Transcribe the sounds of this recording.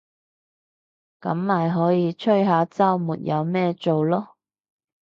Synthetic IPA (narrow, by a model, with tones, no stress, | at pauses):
kɐ˨˥mmaː˨jɦɔː˨˥jiː˨˧t͡ʃʰɵ˥ɥɦaː˨˧˥t͡sɐ˥wmuː˨t̚jʔɐ˨˧wmɛː˥t͡so˨wlɔː˥